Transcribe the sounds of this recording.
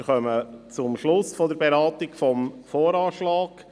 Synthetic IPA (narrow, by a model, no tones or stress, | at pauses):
χœmət͡sʊmʃlʊsfɔd̪əɾbeɾɑːt̪ɪkfɔmfoːɾɑːʃlɑːɡ̥